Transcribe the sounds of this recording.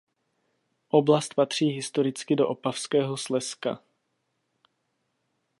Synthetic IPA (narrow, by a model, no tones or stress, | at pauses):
ʔoblast̪̚pat̪r̝̥iːɦɪst̪o̞ɾɪt͡skɪdo̞ʔopafskɛːɦoslɛska̰